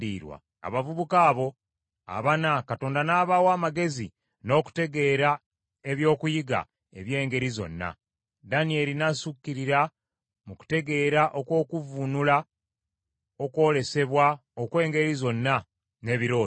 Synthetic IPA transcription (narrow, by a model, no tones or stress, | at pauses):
diːɾwa̰ | a̰βavuβukaːβo̞ | a̰βanakatoːndanaːβaːwaːmaɡe̞zi | no̞ːku̥te̞ɡe̞ːɾa | e̞βjo̞ːkujiɡa̰ | e̞̰βje̞ːŋɡe̞ɾizo̞̰nːa̰ | danie̞linasukːiɾiɾa | muku̥te̞ɡe̞ːɾaʔo̞kwo̞ːkuvunula | o̞kwo̞ːle̞se̞βwaokwe̞ːŋɡe̞ɾizo̞nːa | ne̞ːβiɾo̞ː